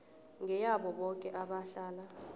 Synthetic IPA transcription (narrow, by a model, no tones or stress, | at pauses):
ŋʱɛjaɓɔɓɔkʼɛʔaɓaɬaːla